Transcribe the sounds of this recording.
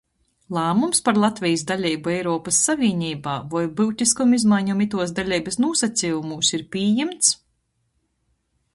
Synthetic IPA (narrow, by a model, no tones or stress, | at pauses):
lˠaːmumspaɾlˠat̪vʲijs̬d̪alʲɛjbuɛjɾɔːpasːavʲiːnʲiːbaːvajbɨwt̪ʲiskumizmajɲumit̪uɔsd̪alʲɛjbɐsnuɔsat̪siːjumuːsiɾpʲiːjɛmt̪s